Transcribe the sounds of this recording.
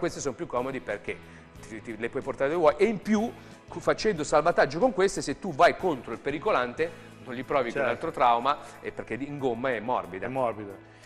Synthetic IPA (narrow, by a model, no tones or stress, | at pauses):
kwest̪esonpjukʰːɔːmod̪iperk̟e | t̪it̪ilepwɔjport̪aɾed̪evwɔjʔeimpju | kfat͡ʃɛnd̪osalvat̪ad͡ʒːokoŋkwest̪eset̪ːuvajkont̪ɾoilpeɾikolant̪e | nonʎipɾɔːvikonalt̪ɾot̪ɾawmaepːerk̟ed̪iŋɡomːaɛmːɔ̰rbid̪amɔɾbid̪a